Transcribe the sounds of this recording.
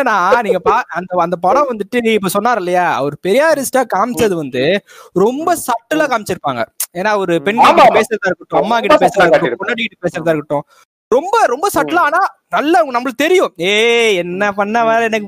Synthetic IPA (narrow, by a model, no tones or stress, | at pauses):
ɐnãːniːŋɡɐpaːɐnd̪ɐɐnd̪ɐp̬ɐɽɐ̃ʋɐnd̪ɯʈːɯɪpːoːsɔnːaːɾɪlːɐjaːɐ̰ʋɔɾɯpɛɾɪjaːɾɪsʈaːkaːmsɐðɯʋɐnd̪ɯɾɔmbɐsɐʈːɐlaːkaːmɪt͡ʃːɪɾɯpːaːŋɡɐ̰eːnːaːɔɾɯpɛɳkɐkʈːɯpeːsɪɾɐðãːɪɾɯkːɯʈːʊ̃ɐmːaːkɪʈːɐpeːsɪɾɐðaaɾkɯʈːʊ̃pʊɳːɐɽɯkɪʈːɯ̥peːsɾɐðaːɾkːɯʈːʊ̃ | ɾɔmbɐɾɔmbɐsɐʈːɐlaːnaːnɐlːɐŋɡnɐmːɐɭ̚t̪ɛɾɪjʊ̃eːɛnːɐpɐɳːɐʋeːɾɐɛnːɐkː